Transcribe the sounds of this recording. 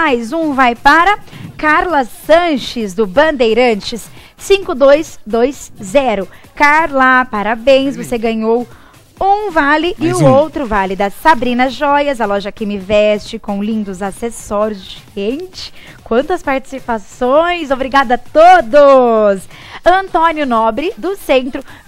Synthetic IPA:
majzũvajpaɾɐkaɾlɐsːɐ̃ʃɪzd̪ʊbɐ̃nd̪ejɾɐ̃t͡ʃɪsː | ĩŋkʊd̪ojsd̪ojszɛɾʊkaɾlapaɾabẽj̃svoseɡɐ̃ɲow | ũvalɪʔɪʊowt̪ɾʊvalɪd̪ɐsabɾĩnɐʒɔjɐzɐlɔʒɐkɪmɪvɛst͡ʃɪkõw̃lĩnd̪ʊzasesɔɾʊzd͡ʒɪẽt͡ʃɪ̥ | kwɐ̃nt̪ɐspaɾt͡ʃɪ̥sipasõj̃zobɾiɡad̪ɐt̪od̪ʊs | ɐ̃nt̪õnjʊnɔbɾɪd̪ʊsẽnt̪ɾʊ

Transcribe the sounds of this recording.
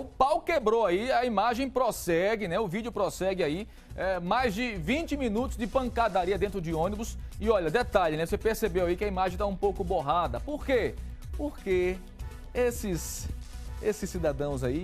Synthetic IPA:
ʊpawkebɾowaiɐimaʒẽj̃pɾɔsɛɡɪnɛʊvid͡ʒjʊpɾɔsɛɡɪai | ɛmajzd͡ʒɪvĩt͡ʃɪmĩnut̪ʊzd͡ʒɪpɐ̃ŋkad̪aɾiɐd̪ẽnt̪ɾʊd͡ʒɪõnibʊsɪɔʎɐd̪ɛt̪aʎɪnɛvosepeɾsebewaikɪɐimaʒẽj̃t̪aũpowkʊboɦad̪ɐpoɾke | poɾke | esɪs | esɪsːid̪ad̪ɐ̃w̃zai

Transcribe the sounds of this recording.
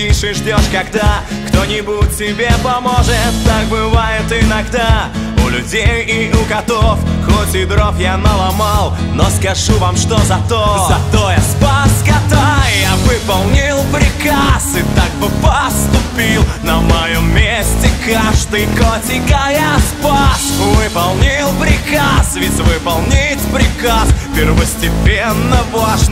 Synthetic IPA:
iʂɨʐdʲoʂkɐɡd̪akt̪onʲɪbutʲtʲːɪbʲepɐmoʐɨt̪ːak̚bɨvajɪt̪ɪnɐɡd̪aʊlʲʉdʲejɪʊɡɐt̪ofxotʲɪd̪ɾofjanəlˠamalˠ | noskɐʐuvamʂt̪ozɐt̪ozɐt̪ojaspɐskɐt̪ajavɨpɐlˠnʲilˠpɾʲɪkasɨt̪ak̚bɨpəst̪ʊpʲilˠnəmɐjomːʲesʲtʲɪkaʐd̪ɨjkotʲɪkɐjaspasvɨpɐlˠnʲilˠpɾʲɪkasvʲɪt͡sʲvɨpɐlˠnʲitʲpɾʲɪkaspʲɪrvəsʲtʲɪpʲenːəvaʂ

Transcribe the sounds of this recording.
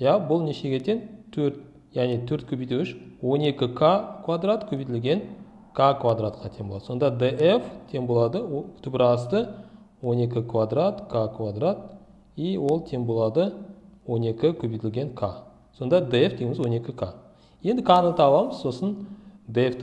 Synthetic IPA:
jabʊlˠneʃe̞ɡʲe̞t̪e̞nt̪ʰɵɾt̪ | jæʁnet̪ʰɵɾt̪̚kʲʰɵbijt̪eɪʃwo̞ne̞kʲɪkʰakʰvad̪rat̪kʲʰɵbijt̪ɪlɡʲe̞ŋ | kʰakʰvad̪ɾat̪̚qʰɑt̪ʰe̞ŋbolˠɑd̪əso̞nd̪ɑd̪eʔeft̪ʰe̞ŋbo̞lˠɑd̪əwt̪ʰʏpɪɾɑst̪ə | wo̞ne̞kʲɪkʰvad̪rat̪kʰakʰvad̪rat̪̚ | iwo̞lˠt̪ʰe̞ŋbo̞lˠɑd̪əwo̞ne̞kʲɪkʲʰɵbijt̪ɪlɡʲe̞ŋkʰa | so̞nd̪ɑd̪eefd̪eɡʲɪmɪzwo̞ne̞kʲɪkʰa | je̞nd̪ɪkʰanət̪ʰɑlˠɑməz̥so̞sənd̪eeft̪

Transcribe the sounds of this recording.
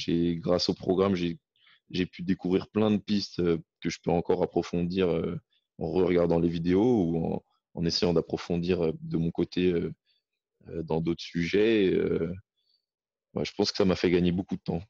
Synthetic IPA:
ʒeɡʁasopχɔɡʁamʒe | ʒepyd̪ekuvʁiʁplɛ̃d̪əpist̪økəʒəpøɑ̃kɔʁapχɔfɔ̃d̪iʁø | ɑ̰̃ʁəʁəɡaʁd̪ɑ̃levid̪eouɑ̰̃ː | nesejɑ̃d̪apχɔfɔ̃d̪iʁød̪əmɔ̃kot̪ʰeø | ød̪ɑ̃d̪ot̪χə̥syʒɛø̰ | wɛ̰ʒə̥pɑ̃skə̥samafɛɡaɲebokud̪ət̪ɑ̃

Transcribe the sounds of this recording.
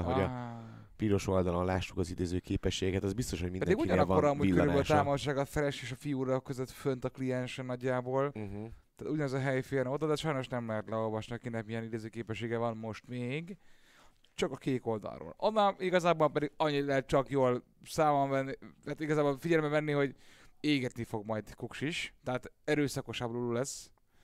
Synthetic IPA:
ɦoɒ | piːɾo̞ʃo̞ld̪ɒlonlaːʃːukɒzid̪eːzøːkeːpɛʃːeːɡɛkɛt̪ɛzbist̪o̞ʃho̞ɟminpɛd̪iɡuɟɒnɒkːoɾɒmuɟkøɾybøʃt̪aːmoʃaːɡɒt̪fɛɾɛʃeːʃɒfijuːɾɒkːøzøt̪fønt̪ɒklijɛnʃɛnːɒɟːaːboːlt̪aːt̪uɟɒnɛzɒɦɛjfeːrnod̪ɒd̪ɛʃɒjno̞ʃnɛmlɛɦɛt̪lɛo̞lvɒʃniɒkinɛkmijɛnid̪eːzøːkeːpɛʃːeːɡɛvɒnmo̞ʃt̪meːɡ | t͡ʃɒkɒkeːt̪o̞ld̪ɒ̰lro̰ːlonːaliɡɒzaːbolpɛd̪iɡɒɲːit̪lɛɦɛt̪̚t͡ʃɒkjoːl | saːmɒnvɛnːiat̪iɡɒzaːbolfiɟɛlmbɛvɛnːiho̞ɟeːɡɛt̪nifo̞ɡmɒjd̪kukʃiʃt̪ɛɦaːt̪ɛɾøːsɒko̞ʃabololulɛsː

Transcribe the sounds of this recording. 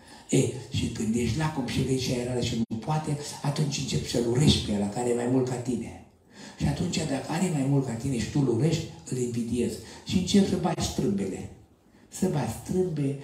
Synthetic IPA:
eʃikɨnd̪jeʃ̬ʲt̪ʲlakumʃivenʃiaeɾaləʃinupoat̪eat̪unt͡ʃʲɨnt͡ʃe̞psəluɾe̞ʃt̪ʲpejad̪akəaɾemajmult̪̚kat̪ine̞̰ | ʃiat̪unt͡ʃʲad̪akəaɾemajmult̪̚kat̪ine̞ʃi̥t̪uluɾeʃt̪ʲɨliɱvid̪ie̞zʃiɨnt͡ʃe̞psəbat͡ʃʲst̪ɾɨmbe̞le̞̰ | səbat̪ʲst̪ɾɨmbe

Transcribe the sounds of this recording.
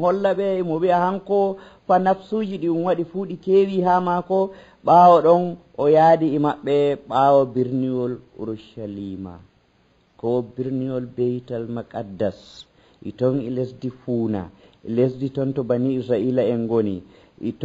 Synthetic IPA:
hɔlːaɓɛimɔbiahaŋkɔ | fanafsud͡ʒiɗiunwaɗifuɗikewiɦamakɔ | ɓawɔɗɔnʔɔjaɗiːmaɓːɛɓawɔbiɾniɔlṵɾuʃalima̰ | kɔbiɾniɔlbejtalmakadːas | ʔḭtɔnḭlesdifuːna̰ʔḭlesditɔntɔbaniisɾaʔilaɛnɡonḭ | ʔḭt

